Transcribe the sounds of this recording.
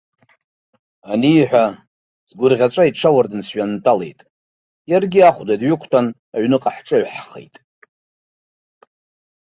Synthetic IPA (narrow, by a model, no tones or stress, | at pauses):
anijħʷᶣa | zɡʷʊrʁʲat͡ʃʷʼaiʈ͡ʂʰawardɨnsɥantʼalḛjtʼ | jarɡʲiaχʷdadɥʏkʷʰtʰan | aɥnɨqʼaħʈ͡ʂʼɨɥħχḛjtʼ